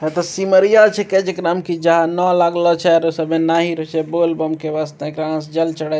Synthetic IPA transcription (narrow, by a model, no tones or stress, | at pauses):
ɦɛt̪ɔsiməɾijat͡ʃʰɛkɛd͡ʒekɾamkid͡ʒəɦanɔlaɡlɔt͡ʃʰɛɾosəbmenaɦiɾɔt͡ʃʰɛbolbəmkeʋast̪ẽekɾãsd͡ʒəlt͡ʃəɽɛ